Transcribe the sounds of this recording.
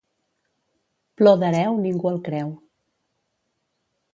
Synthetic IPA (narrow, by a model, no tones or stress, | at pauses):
ploðəɾɛwniŋɡuəlˠkɾɛw